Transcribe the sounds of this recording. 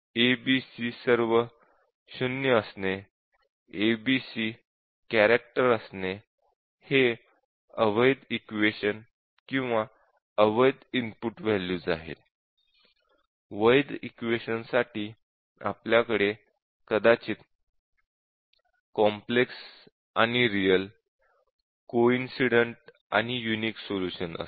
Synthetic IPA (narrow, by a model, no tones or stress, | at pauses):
ebisisəɾʋə | ɕunjəəsne | ebisi | kæɾek̚ʈəɾəsne | he | əʋəjd̪ikʋeɕən | kĩw̃ʋa | əʋəjd̪impuʈʋɛlud͡zaɦḛt̪̚ | ʋəjd̪ikʋeɕənsaʈiː | a̰pljakəɽe | kəd̪at͡ɕiːt̪ | kɔmpleks | añiɾijəl | koinsiɽəɳʈ | a̰ñijuniːksoluɕənə̰s